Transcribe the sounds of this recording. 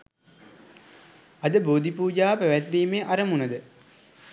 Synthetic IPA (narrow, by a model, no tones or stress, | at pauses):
ɐd̪əboːd̪ipuːd͡ʒaːpæʋæt̪d̪iːmeʔɐɾəmunəd̪ə